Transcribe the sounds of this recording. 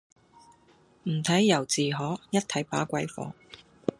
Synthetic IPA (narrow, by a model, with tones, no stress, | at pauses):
m̩˨˩t̪ʰɐ˨˥jːɐ˨˩wt͡siː˨ɦɔː˨˥jɐ˥t̚t̪ʰɐ˨˥jpaː˨˥kʷɐ˨˥jfɔ̰ː˨˥